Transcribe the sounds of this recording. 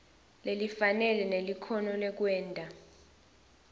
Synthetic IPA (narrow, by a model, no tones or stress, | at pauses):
lelifanɛlɛnelikʰɔnɔlɛk̬wɛːntʼa